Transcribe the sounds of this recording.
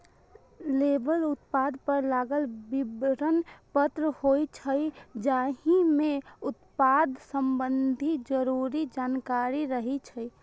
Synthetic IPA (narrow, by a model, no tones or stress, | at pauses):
lebəlʊt̪̚pad̪ʱpəɾlaːɡəlbɪbɾənpət̪ɾəhoit͡ʃʰəjd͡ʒaɦimẽʊt̪paːd̪ʱsəmbənd̪ʱid͡ʒəɾuɾid͡ʒaːnkaɾiɾəɦit͡ʃʰəi